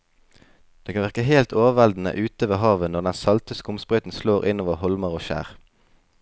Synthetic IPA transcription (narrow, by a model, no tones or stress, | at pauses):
d̪̥eːkʰɑnʋæʁkəɦeːlt̪ʰoːʋəʋɛld̪n̩ə̰ʔʉːt̪əʋeːɦɑːʋənɔʁd̪ɛnsɑlt̪əskʊmspʁœʏt̪n̩sloːʁɪnoːʋəʁhɔlməʁoːʃæ̰ːʁ